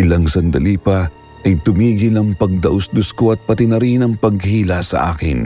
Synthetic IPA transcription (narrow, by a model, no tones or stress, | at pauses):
ʔɪlɐŋsɐnd̪ɐ̰liːpɐ | ʔɐjt̪ʊmiːɡɪlɐŋpɐɡ̚d̪ɐʔosd̪ʊskoʔɐt̪̚pɐt̪ɪnɐɾinɐŋpɐɡ̚hiːlasɐ̰ʔa̰ːkɪ̰n